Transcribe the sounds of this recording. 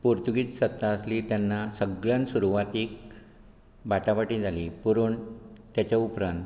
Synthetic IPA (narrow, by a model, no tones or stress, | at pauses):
puɾt̪uɡiːt̪sət̪ːaəsliːt̪janːasəɡɭãnsuɾuʋat̪iːk̚ | baʈaʋaʈĩːd͡zʱaliːpuɾuːɳt̪jat͡ɕaupɾant̪